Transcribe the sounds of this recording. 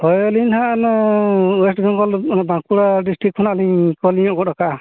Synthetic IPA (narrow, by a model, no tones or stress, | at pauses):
ɔjɔlinhanɔwesʈɡɔŋkɔlnɔbãŋkuɽaɖisʈɾik̚ʰɔnaʔliɲkɔliɲɔ̃ʔkɔdaka